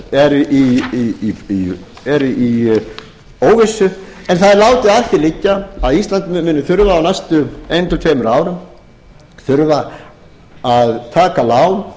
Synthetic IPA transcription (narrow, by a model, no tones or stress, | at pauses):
ɛɾʔi | i | ɛɾi | oːwvesːʏ | ɛnθaðɪɾlaːwt̪ɪaθɪlɪcːaaðist̪lant̪mmɪnːɪθʏɾvaːwnɛjst̪ʏejnt̪ʰɪlt̪ʰveːmʏɾaːwɾʏm | θʏɾva | aðt̪ʰaːkalaːwn